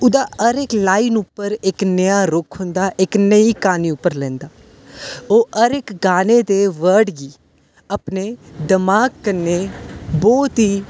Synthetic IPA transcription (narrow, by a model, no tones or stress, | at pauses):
ʊd̪aːəɾeklaːinʊpːəɾɪknəjaːɾʊkʰɦʊ̃nd̪aːʔɪknəiːkaːniːʊpːəɾlɛ̃ːnd̪aː | oːəɾɪkɡaːneːd̪eːʋəɾɖɡiː | əpneːd̪ɪmaːɡ̚kəɾneːbɔːt̪ɦiː